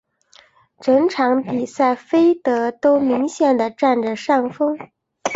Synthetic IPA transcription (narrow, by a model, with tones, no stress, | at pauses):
ʈ͡ʂɤ˧˥ŋʈ͡ʂʰɑ˧˥ŋpi˨˩sa˥˩ɪfe˥ɪt̪ɤ˧˥t̪o˥ʊmi˧˥ŋɕjɛ˥˩nd̪ə˩ʈ͡ʂa˥˩nʈ͡ʂə˩ʂɑ˥˩ŋfɤ˥ŋ